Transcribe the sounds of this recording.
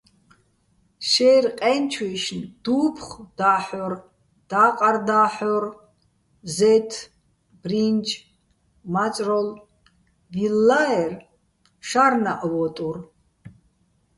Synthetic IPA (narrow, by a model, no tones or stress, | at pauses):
ʃɛjrqʼɛnt͡ʃʰiʃnd̪̥uːpʰχd̪̥aːħɔr | d̪̥aqʼard̪aːħɔr | zɛt̪ʰ | b̥rint͡ʃʰʼ | mat͡sʼrɔl | vilːaɛr | ʃarnaʔwɔt̪ʼur